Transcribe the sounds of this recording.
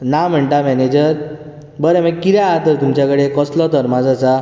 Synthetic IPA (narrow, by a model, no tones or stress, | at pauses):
nam̤əɳʈamɛned͡ʑəɾ | bəɾemaɡkiɾaat̪əɾt̪umt͡ɕakəɽekɔslɔt̪əɾmad͡zat͡sa